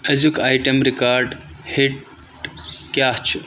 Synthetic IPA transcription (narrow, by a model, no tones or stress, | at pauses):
ɐzukaːjʈɐmɾikaːɾɖhiʈ | kjaːht͡ʃʰu